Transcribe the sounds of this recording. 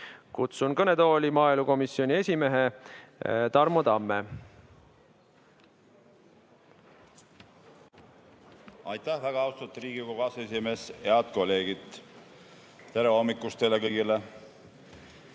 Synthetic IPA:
kut̪sunkɤne̞t̪o̞ːlʲimɑːeluko̞misio̞nʲie̞sʲime̞ɦe̞ | t̪ɑrmot̪ɑmːe | ɑjt̪ːæhvæɡ̥ɑɑwst̪ut̪ːˑriːɡ̥ikoɡɑse̞sʲime̞ːshe̞ɑd̪ko̞lːe̞ːɡid̪̥ | t̪e̞ɾeo̞mːikːust̪elekiɡile

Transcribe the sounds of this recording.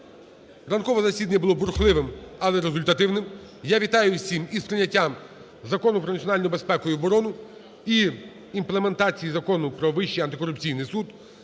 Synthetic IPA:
rɐnkɔʋɐzɐsʲid̪ɐnʲɐbʊlˠɔbʊɾxlˠɪʋɪmɐlˠɛɾezʊlʲt̪ɐt̪ɪwnɪm | jaʋʲit̪ɑjʊsʲimispɾɪnʲːɐtʲːam | zɐkɔnʊpɾɔnɐt̪ʲt͡sʲiɔnɑlʲnɔjʊbespɛkʊjʊbɔɾɔnʊ | i | implˠeme̞nt̪ɑt͡sʲijizɐkɔnʊpɾɔʋɪʃːijɐnt̪ɪkɔɾʊpt͡sʲijnɪjsud̪

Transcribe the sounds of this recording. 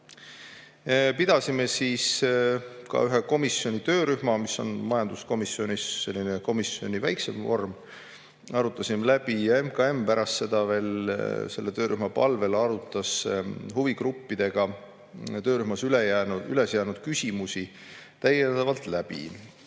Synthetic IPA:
pid̪̥ɑsime̞siːs | kɑ̰yɦeko̞misːjo̞nʲit̪ø̞ːɾyhmɑmisːo̞̰nmɑjɑnd̪̥usko̞misːio̞nʲisːe̞lːineko̞misio̞nʲivæjkse̞mvo̞rm | ɑɾut̪ːˑɑsimelæb̥ijɑe̞mkɑe̞mpæɾɑst̪se̞d̪̥ɑve̞ːlse̞lːet̪ø̞ːɾyhmɑpɑ̰lve̞lɑɾut̪ːˑɑshuviɡrupːid̪̥e̞ɡ̥ɑ | t̪øːɾyhmɑsylejænuyle̞sjæːnud̪̥kysʲimusi | t̪æjend̪̥ɑvɑlt̪læb̥ḭ

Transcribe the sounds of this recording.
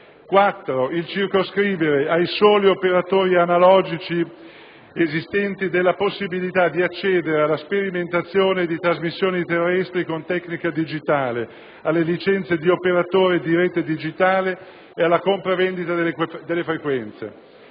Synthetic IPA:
kwat̪ːɾoilt͡ʃirkoskɾiːveɾeajsoːliopeɾat̪oːɾianalɔːd͡ʒit͡ʃi | ezist̪ɛnt̪id̪elːaposːibilit̪ad̪iat͡ʃːɛːd̪eɾealːaspeɾiment̪at̪sːjoːned̪it̪ɾazmisːjoːnit̪erːɛst̪ɾikont̪ɛknikad̪id͡ʒit̪aːle | alːelit͡ʃɛnt̪sed̪iopeɾat̪oːɾed̪iɾɛt̪ːed̪id͡ʒit̪aːle | ealːakompɾavend̪it̪aed̪elːefɾekwɛnt̪sḛ

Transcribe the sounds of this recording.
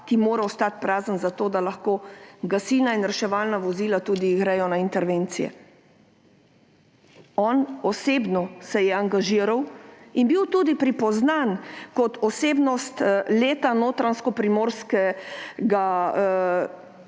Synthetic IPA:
t̪imoːɾaɔst̪at̪̚pɾaːzənzat̪oːd̪alaxkoːɡasiːnainɾɛʃɛʋaːlnaʋɔziːlat̪uːd̪iɡɾɛjɔnaint̪ɛɾʋeːnt̪sijɛ̰ | ɔnɔseːbnɔsɛjɛaŋɡaʒiːɾawinbiwt̪uːd̪ipɾipɔznankɔt̪ɔseːbnɔst̪leːt̪anoːt̪ɾanskɔpɾimoːɾskɛɡa

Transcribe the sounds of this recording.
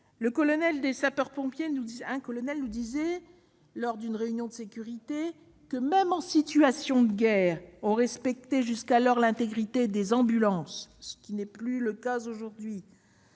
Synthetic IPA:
ləkɔlɔnɛld̪esapœʁpɔ̃pjenuɛ̃kɔlɔnɛlnud̪izɛ | lɔʁd̪ynʁeynjɔ̃d̪əsekʲyʁit̪e | kəmɛmɑ̃sit̪yasjɔ̃d̪əɡʲɛːʁɔ̃ʁɛspɛk̚t̪eʒyskalɔʁlɛ̃t̪eɡʁit̪ed̪ezɑ̃bylɑ̃sːə̥kʲinɛplyləkazoʒuʁd̪ɥi

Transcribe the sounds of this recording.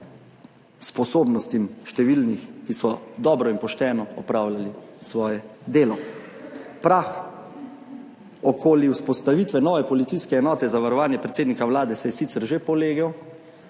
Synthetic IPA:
spɔsoːbnɔst̪imʃt̪ɛʋilnixkisɔd̪ɔːbɾɔinpɔʃt̪ɛːnɔɔpɾaːwlalisʋɔːjɛd̪eːlɔ | pɾax | ɔkʰoːljiwspɔst̪aʋit̪ʋɛnɔːʋɛpɔlit̪siskɛːnɔːt̪ɛzaʋaɾɔʋaːnjɛpɾɛt̪seːd̪nikaʋwlaːd̪ɛsɛjɛsit̪sɛɾʒepɔleːɡɛw

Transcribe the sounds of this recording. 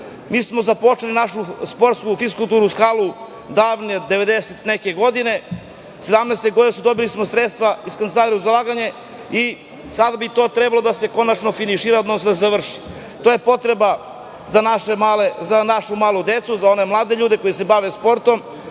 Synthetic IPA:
miːsmo̞zapo̞t͡ʃelinaʃuspo̞ɾt̪skufiskulˠt̪uːɾuskaːlˠu | d̪aːʋned̪eʋe̞d̪eset̪nekeɡo̞d̪ine̞ | sed̪amneːst̪eɡo̞d̪inesud̪o̞bilismosɾet̪st̪ʋaiskanelaiɾuzalaːɡaɲe̞ | i | sad̪abit̪o̞ːt̪ɾebalod̪ase̞ko̞nat͡ʃnofiniʃiːɾaod̪nosod̪asezaʋr̩ʃi̥ | t̪oːjepo̞t̪ɾeba | anaʃemalezanaʃumaːlˠud̪et̪suzao̞ne̞mlˠaːd̪eʎuːd̪eko̞jise̞baʋe̞spo̞ɾt̪o̞m

